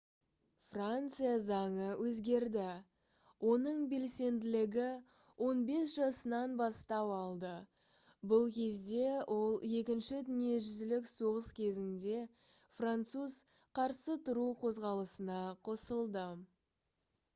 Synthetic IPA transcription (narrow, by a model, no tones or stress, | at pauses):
frant̪sɨjazɑɴəwʔɵzɡʲe̞ɾd̪ɪ | wʔo̞nəɴbe̞lse̞nd̪ɪlɪɡʲɪ | wʔo̞nbe̞sʒ̥ɑsənɑnbɑst̪ɑpɑlˠd̪ə | bʊlˠkʲʰe̞zd̪e̞wʔo̞lˠe̞kʲɪnʃɪt̪ʏnije̞ʒʏzɪlɪkso̞ʁəskʲʰe̞zɪnd̪e̞ | frant̪suz̥ | qʰɑɾsət̪ʰʊɾuqʰo̞zʁɑlˠəsənɑqʰo̞səlˠd̪ə